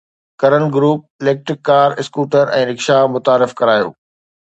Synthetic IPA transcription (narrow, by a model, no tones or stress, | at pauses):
kɐɾənɡɾuːp̚ɪleːk̚ʈɾɪkːaːɾɪskuːʈəɾɛ̰̃ːɾɪkʃamʊt̪aːɾɪfkɐɾaːjo̰ː